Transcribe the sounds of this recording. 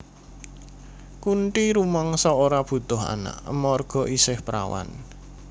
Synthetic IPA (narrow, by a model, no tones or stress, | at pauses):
kuɳʈiɾumaŋsɔoɾab̥ṳt̪ʊɦa̰na̰ʔəmɔrɡ̥ɔ̤ʔisɪhpɾa̰wa̰n